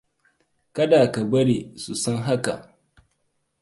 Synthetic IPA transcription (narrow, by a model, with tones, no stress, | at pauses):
kɐ˦daː˨ka˨bɐ˦ɽi˨su˨sɐ˦ŋɦa˦ka̰˨ʔ